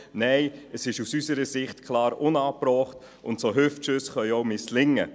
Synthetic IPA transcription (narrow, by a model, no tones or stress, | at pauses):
nɛɪəsɪʃusysəɾəsɪχtkʰlɑːɾʊnɑːprɔːχt | ʊ̰ntsoɦøftʃʏsχœʏjoʊmɪslɪŋːə